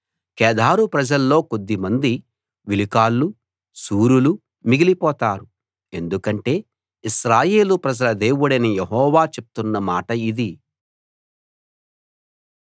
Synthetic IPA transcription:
kɛːd̪aːɾupɾɐd͡ʒɐlːo̞ːko̞d̪ːimɐnd̪i | ʋilikaːlːu | suːɾulu | miɡilipɔːt̪aːɾu | e̞nd̪ukɐɳʈe̞ː | iʃɾaːje̞ːlupɾɐd͡ʒɐlɐd̪e̞ːwuɽɐnijeɦɔːʋaːt͡ʃe̞p̚u̥t̪unːɐmaːʈɐid̪i

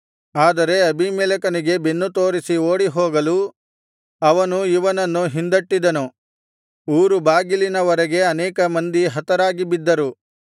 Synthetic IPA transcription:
aːd̪ɐɾe̞ɐbimɛːlɐkɐniɡe̞benːut̪oːɾisioːɽiɦoːɡɐlu | ɐʋɐnuiʋɐnɐnːuɦind̪ɐʈːid̪ɐnu | uːɾubaːɡilinɐʋɐɾɐɡe̞ɐnɛːkɐmɐnd̪iɦɐt̪ɐɾaːɡibid̪ːɐɾu

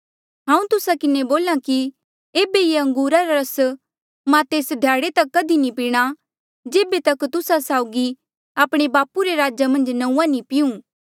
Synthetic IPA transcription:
ɦãːũt̪ʊsakɪneboːlaki | eːbejeɐ̃ŋɡuːɾaɾaɾɐs | mãt̪eːsd̪ʱjaːɽet̪ɐkːɐd̪inipiːɽ̃a | d͡ʒeːbet̪ɐkt̪ʊsasaːʊɡi | aːpɽ̃ebaːpuɾeɾaːd͡ʒamɐ̃nd͡ʒnɐ̃ũãnĩpɪũː

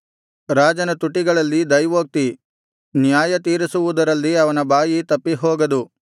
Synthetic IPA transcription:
ɾaːd͡ʒɐnɐt̪uʈːiɡɐɭɐlːid̪ɐjʋoːk̚t̪i | njaːjɐt̪iːɾisuʋud̪ɐɾɐlːiɐʋɐnɐbʱaːjit̪ɐpːiɦoːɡɐd̪u

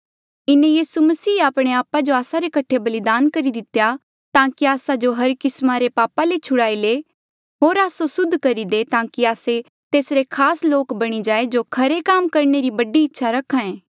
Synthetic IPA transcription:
ɪnẽjiːsumɐsiːaːpɽ̃eaːpad͡ʒoaːsaɾekɐʈʰːebɐlɪd̪aːnkɐɾid̪ɪt̪ja | t̪ãːkiaːsad͡ʒoɦɐɾkɪsmaɾepaːpalet͡ʃʰʊɽaːile | ɦoːɾaːsosʊd̪ʱkɐɾid̪et̪ãːkiaːse | t̪eːsɾekʰaːsloːkbɐɽ̃id͡ʒaːed͡ʒoːkʰɐɾekaːmkɐɾneɾibɐɖiɪtːʃʰaɾɐkʰːãẽː

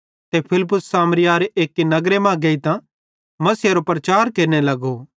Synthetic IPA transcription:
t̪epʰɪlɪp̬ʊsːaːmɾɪjaːɾeeːkːinɐɡɾemãːɡɐit̪ã | mɐsɪaɾopɾɐt͡ʃaːɾkeːɾnelɐɡo

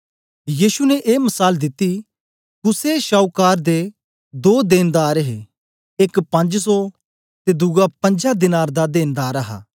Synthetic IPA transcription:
jiːʃunɛʔeːmɐsaːld̪ɪt̪ːi | kʊseʃaːukaːɾd̪e | d̪oːd̪eːnd̪aːɾɦe | ɪkpɐ̃nd͡ʒsɔ | t̪ed̪ʊɡapɐ̃ɲd͡ʒad̪ɪnaːɾd̪ad̪eːnd̪aːɾɐɦa̰ː

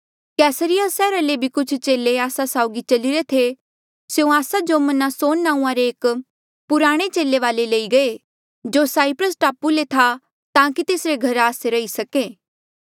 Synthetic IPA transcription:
kɛːsəɾɪjasɛːɾalebʱikʊt͡ʃʰt͡ʃeːleaːsasaːʊɡit͡ʃɐliɾet̪ʰe | sjũaːsad͡ʒomɐnasoːnːãːũãɾeːk | pʊɾaːɽ̃et͡ʃeːleʋaːleleiɡɐe | d͡ʒoːsaːɪpɾəsʈaːpulet̪ʰa | t̪ãːkit̪eːsɾeɡʱɐɾaːseɾɐisɐkeː

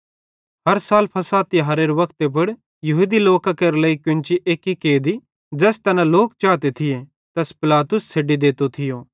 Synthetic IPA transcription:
ɦɐɾsaːlpʰɐsaːt̪iɦɐɾeːɾʋɐkt̪ebɐɽ | jɐɦud̪iloːkakɐɾlɐikjʊ̃nt͡ʃiʔeːkikeːd̪i | d͡ʒɛːst̪ɐnãloːkt͡ʃaːt̪et̪ʰɪje | t̪ɛspɪlaːt̪ʊst͡sʰeːɖid̪eːt̪ot̪ʰɪjoː

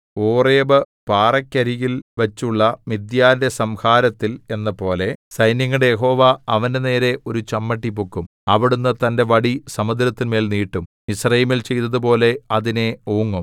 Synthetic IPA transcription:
oːreːbɐ | paːrɐkʲːɐɾijilʋɐt͡ɕːuɭːɐmid̪jaːndesɐmhaːɾɐt̪ːile̞nːɐpo̞ːle̞sɐjnjɐŋːɐɽejeɦo̞ːʋaɐʋɐnene̞ːɾe̞ʔo̞ɾut͡ɕɐmːɐʈːipukːum | ɐʋiɽunːɐt̪ɐnde̞ʋɐɽisɐmɐd̪ɾɐt̪ːinme̞ːlniːʈːum | isrɐjimilt͡ɕe̞jt̪ɐðupo̞ːle̞ɐðine̞oːŋːum

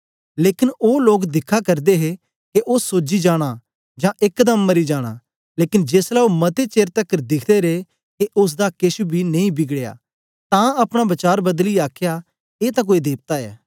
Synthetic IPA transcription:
leːkɪnoːloːkd̪ɪkʰːakɐɾd̪eɦe | keʔʊsːoːd͡ʒid͡ʒaːɽ̃a | d͡ʒãːʔɪkːd̪əmːɐɾid͡ʒaːɽ̃a̰ː | leːkɪnd͡ʒeːslaomɐt̪et͡ʃeːɾt̪əkːəɾd̪ɪkʰd̪eɾe | keʔʊs̬d̪akɪʃubʱinɐ̃ĩbɪɡɽeja̰ː | t̪ãɐpɽ̃abɐt͡ʃaːɾbɐd̪liaːkʰja | eːt̪ãk̬oːid̪eːp̚t̪aɛ̰ː

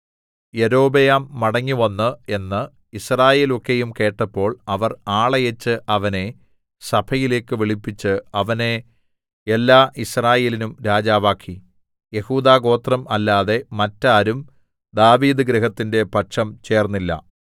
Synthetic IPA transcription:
jeɾo̞ːbejaːmːɐɽɐŋːiʋɐnːɨe̞nːɨ | israːje̞ːlo̞kːe̞jumke̞ːʈːɐpːo̞ːɭɐʋɐraːɭɐjet͡ɕːɨʔɐʋɐne̞ | sɐbʰɐjile̞ːkːɨʋiɭipːit͡ɕːɨɐʋɐne | elːaːʔisraːje̞ːlinumɾaːd͡ʑaːʋaːkʰːi | je̞huːd̪aːɣo̞ːt̪rɐmɐlːaːðe̞mɐtːaːɾum | d̪aːʋiːðɨɡɾɐɦɐt̪ːinde̞pɐʈʂɐmt͡ɕe̞ːrnːilːɐ̰

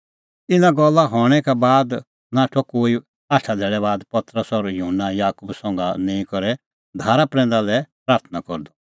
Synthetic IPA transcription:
ɪnãɡɔlːaɦɔːɽ̃ɛkɛbaːd̪ | naːʈʰɔkoːi | aːʈʰad̪ʱɛːɭɛbaːd̪pɐt̪ɾəsɔɾjuɦənːajaːkubsɔ̃ːŋɡanɛ̃ːĩkɔɾɛ | d̪ʱaːɾapɾɛ̃ːnd̪alɛpɾaːɾt̪ʰnakɔɾd̪ɔ

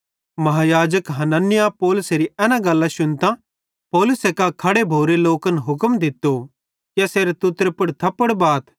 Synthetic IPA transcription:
mɐɦaːjaːd͡ʒəkɦɐnənːɪjapɔːlʊseɾiɛːnãɡɐlːãʃʊnt̪ã | pɔːlʊsekakʰɐɽebʱoːɾeloːkənɦʊkəmd̪ɪt̪ːo | kjaseːɾet̪ʊt̪ɾepɐɽt̪ʰɐpːəɽbaːt̪ʰ

